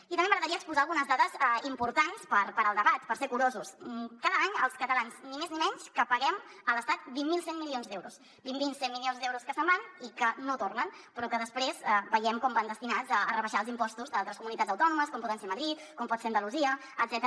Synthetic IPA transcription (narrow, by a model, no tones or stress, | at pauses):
it̪əmbeməɣɾəðəɾiəːkspuzalˠɣunəzðaðəzɛimpuɾt̪anspəɾpəɾəlˠd̪əβat̪pəɾsɛkuɾozuskaðəaɲə̰lˠskət̪əlanznimeznimɛɲskəpəɣɛmələst̪at̪̚bimmːilˠsenmilionzd̪ɛwɾus | bimbinsenmilionzðɛwɾuskəsəmbanikənot̪ornənpɾɔkəðəspɾezbəjɛmkɔmband̪əst̪inad͡zəːrəβəʃalˠzimpɔst̪uzðalˠt̪ɾəskumunit̪add͡zəwt̪ɔnuməs̬kɔmpɔðənseməðɾit̪kɔmpɔt̪feənd̪əluziəː | d̪zɛt̪ə